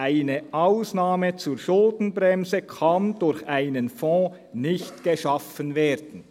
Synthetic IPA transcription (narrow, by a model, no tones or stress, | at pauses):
ʔaɪnəʔaʊsnaːmət͡suːɾʃʊldn̩brɛmzəkʰɑndʊɾçʔaɪnənfɔ̃ː | nɪçtɡ̥əʃɑfənvɛːɾd̥ən̩